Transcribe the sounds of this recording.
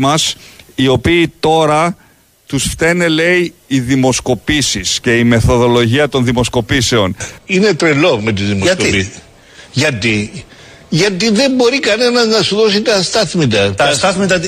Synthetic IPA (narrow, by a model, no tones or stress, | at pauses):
mɐsio̞piːt̪o̞ɾɐ | t̪usft̪e̞ne̞le̞iːðimo̞sko̞pisisce̞ime̞θo̞ðo̞lo̞ʝiɐt̪o̞nðimo̞sko̞pise̞o̞ninet̪ɾelo̞me̞t̪izðimo | ʝɐt̪i | ʝɐt̪iðe̞mbo̞ɾikɐne̞nɐznɐsuðo̞sit̪ɐst̪ɐθmit̪ɐt̪sɐt̪